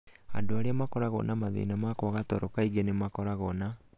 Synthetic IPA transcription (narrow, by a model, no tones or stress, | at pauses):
andoaɾeamakɔɾaɣɔ̰namaðḛnamakwɣatɔɾɔkaiɣenemakɔɾaɣɔna